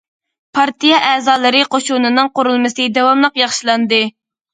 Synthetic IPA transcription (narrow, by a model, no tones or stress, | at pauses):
pʰɑɾt̪ijɛʔɛːzɑːlˠɨɾɨqʰoʃunɨnɨŋqoɾulˠmɨsɨd̪ɛwɑmlˠəqjɑχʃilˠɑnd̪ɨ